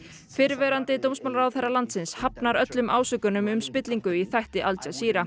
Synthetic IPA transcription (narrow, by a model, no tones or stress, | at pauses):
fɪɾvɛɾant̪ɪt̪owmsmawlaɾawθejrːalant̪sɪnshapnaɾœt̪lʏmʔaːwsœkʏnʏmʏmspɪt̪liŋkʏiθajht̪ɪʔalt͡ɕasiːɾa